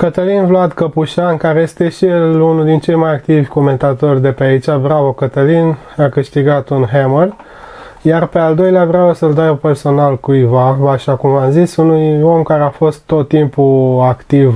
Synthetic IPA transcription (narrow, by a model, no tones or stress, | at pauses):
kət̪əlinvlad̪kəpuʃankaɾeje̞st̪e̞ʃielunuld̪int͡ʃe̞jmajak̚t̪ivʲko̞mẽ̞nt̪at̪o̞rʲd̪e̞peait͡ʃabɾavokət̪əlin | akɨʃt̪iɡat̪unɦeməl | jarpe̞ald̪o̞jleabɾeavosəld̪ajupe̞rso̞nalkujvavaʃakumamzisunujo̞mkaɾeafo̞st̪ːo̞t̪ːimpuakt̪iv